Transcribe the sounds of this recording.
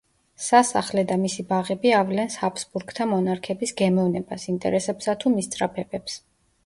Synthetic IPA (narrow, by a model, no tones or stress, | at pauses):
sasa̰χlɛd̪amisibaʁɛbiavlɛnsapʰsbuɾɡt̪ʰamɔnaɾkʰɛbisɡɛmɛvnɛbasint̪ʼɛ̰ɾɛsɛpsat̪ʰumist̪sʼɾapʰɛbɛps